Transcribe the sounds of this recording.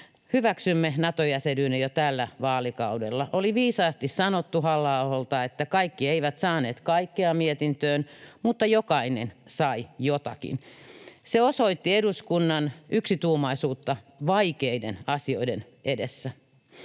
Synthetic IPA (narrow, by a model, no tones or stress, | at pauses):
hyʋæksymːenɑt̪ojæsedyːnejot̪ælːæʋɑːlikɑudḛlːɑʔoliʋiːsɑːst̪issɑnot̪ːuhɑlːɑoholt̪ɑet̪ːækɑikːieiʋæt̪sɑːneːt̪kɑikːeɑmiet̪int̪øːnmut̪ːɑjokɑinḛnsɑijot̪ɑ̰kḭnseosoit̪ːieduskunːɑnʔyksit̪uːmɑisuːt̪ːɑʋɑikeidḛnɑsioiden | edesːæ